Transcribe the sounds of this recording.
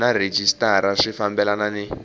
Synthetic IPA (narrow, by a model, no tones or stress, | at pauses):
nared͡ʒistaɾaʂifambɛlananɛ